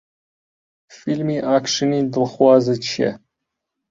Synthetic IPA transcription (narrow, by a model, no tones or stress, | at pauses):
filmiːʔaːkʃɨniːd̪ɨlxwɑːzɨt͡ʃʰiɛ̰